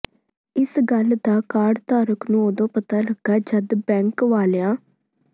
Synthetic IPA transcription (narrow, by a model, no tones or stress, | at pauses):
ɪsɡəld̪aːkaːɖt̪aːɾʊknũːod̪õːpət̪aːləɡːaːd͡ʒəd̪bɛ̃ːŋkʋaːljaː